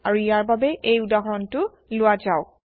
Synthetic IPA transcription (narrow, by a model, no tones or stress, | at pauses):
aɹuijaɹbabɛʔejʊdaɦɔɹɔntʊ | lʊwazaʊ